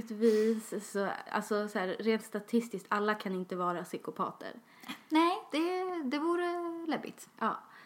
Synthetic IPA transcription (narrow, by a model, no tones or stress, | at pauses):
t̪viːssɔa̰lsɔsæːɾːeːnt̪st̪at̪ʰɪst̪ɪskt̪ʰalːakʰanɪnt̪əvɑːɾasʏkʊpʰɑ̰ːt̪ʰə̰ɾ | nɛd̪̥ɛd̪ɛvuːɾəlɛbːɪ̰t̪ʔɑ̰ː